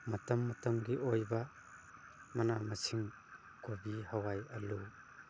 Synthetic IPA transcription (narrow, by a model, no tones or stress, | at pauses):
mɐtɐmːɐtɐmɡiʔojba | mɐnamɐsʰiŋ | kobihawajɐlu